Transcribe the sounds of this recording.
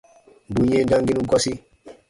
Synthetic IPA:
ndu˨ɲe˦ndã˦ŋɡi˦nu˦ɡɔ˦si˦

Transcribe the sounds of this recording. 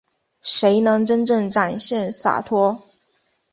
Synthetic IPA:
ʂe˧˥ɪnɤ˧˥ŋʈ͡ʂə˥nʈ͡ʂɤ˥˩ŋʈ͡ʂa˨˩nɕjɛ˥˩nsa̰˨˩t̪ʰwɔ˥

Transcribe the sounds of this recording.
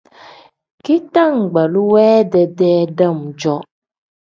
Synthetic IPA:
ki˦ta˦˨ŋ̩˨ɡ͡ba˨lu˦wɛː˦dɛ˨dɛː˦da˦˨m˨d͡ʒɔ˦

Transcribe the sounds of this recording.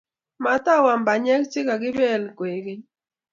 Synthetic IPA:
ma˨t̪a˦wa˨mba˨ɲɛ˦kt͡ʃɪ˦ka˨ɡɪ˦bɛ˦˨lkwe˨ɡɪ˦ɲ

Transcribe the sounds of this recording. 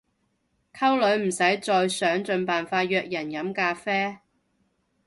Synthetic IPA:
kʰɐ˥wlɵ˨˥ɥm̩˨˩sɐ˨˥jt͡sɔː˧jsœː˨˥ŋt͡sɵ˨˧npaː˨nfaː˧t̚jœː˧k̚jɐ˨˩njɐ˨˥mkaː˧fɛː˥

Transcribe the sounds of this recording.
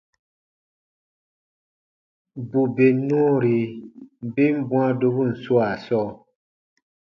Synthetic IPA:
bu˨be˨nũ˦˨ɾi˨ | bi˦m˦bũ˦a˦do˧bu˦˨n̩˨su˦a˨sɔː˦

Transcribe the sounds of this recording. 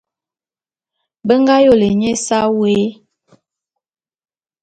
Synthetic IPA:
bə˦ŋɡa˦jo˦˨le˨ɲe˦sa˦we˨˦

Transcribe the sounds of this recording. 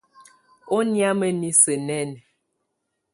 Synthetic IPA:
o˦nja˦mə˦ni˦sə˨nɛ˦˨n˨

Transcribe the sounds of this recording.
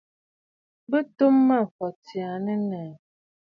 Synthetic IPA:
bə˦to˦mːa˦˨fɔ˨ti˨a˨nə˦nɛ˨

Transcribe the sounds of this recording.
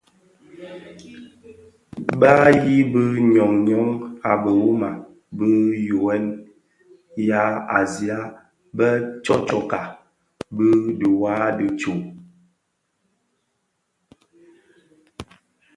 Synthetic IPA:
ba˦ji˦bə˦ɲɔ˨ŋɲɔ˨˦ŋa˨bə˨wu˦ma̰˨ | bə˦jo˨ɛ˦n | ja˦a˨zi˨a˦ | bə˦t͡ʃɔ˦t͡ʃɔ˨ka˨ | bə˦du˨wa˦də˦t͡ʃu˨

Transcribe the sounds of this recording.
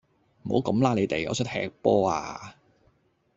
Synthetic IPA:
m̩˨˩ho̰˨˥wkɐ˨˥mlaː˧˥le˨˧jt̪e˨jɐ̰˨˧t͡ʃʰɵ˥t̚hɛ̰ː˧k̚pɔː˥a̰ː˧

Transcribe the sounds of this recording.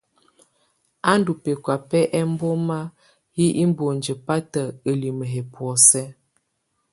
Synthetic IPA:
a˦n˦du˨pe˨kwa˨pɛ˦ʔɛ˦m˦bo˦ma˦ | hi˦ʔi˦m˦bo˨nd͡ʒə˨pa˦tə˨ə˨li˨mə˨ɦe˨pwɔ˨sɛ˦

